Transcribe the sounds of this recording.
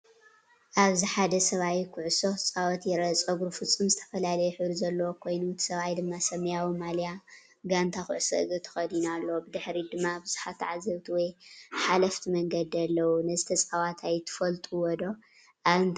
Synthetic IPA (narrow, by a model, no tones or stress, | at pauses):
ʔaβziħad̪ɐsɐβajkʰʊʕusot͡sʼawɐt̪jɛɾɐt͡sʼoɡuɾufɨt͡sʼɨmzɨt̪ʰɐ̥fɐlalɐjɛħɨβɾizɐlːɐwokʰo̞jnut̪ʰi̥sɐβajd̪ɨmːasɐmɐjawimalja | ɡant̪ʰaxʊʕsɨ̰ʔɨɡɨt̪ʰɐ̥xɐd̪inalːɐbɨd̪ɨħɾid̪ɨmːabɨz̥u̥ħat̪ʰːʕazɐβt̪ʰiwɔjħalɐft̪ʰimɐŋɡɐd̪ialːɐwunɐzɨt̪ʰɐt͡sʼawat̪ʰajt̪ʰɨ̥fɐlt̪ʼuwɔd̪o̞ | ʔaβɨnt̪